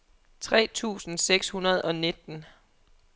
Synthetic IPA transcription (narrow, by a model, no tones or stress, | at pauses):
t͡sʰʁɛ̰ːt͡sʰṵːsn̩seɡ̥shunɐð̞̩ˠɒ̽ne̝d̥n̩